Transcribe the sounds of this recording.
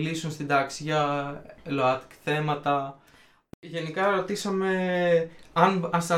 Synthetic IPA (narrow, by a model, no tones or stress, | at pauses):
lisunst̪id̪ɐksiʝɐ | loɐt̪i̥kθe̞mɐt̪ɐ | ʝe̞nikɐɾo̞t̪isɐme̞ | ɐnɐnst̪ɐ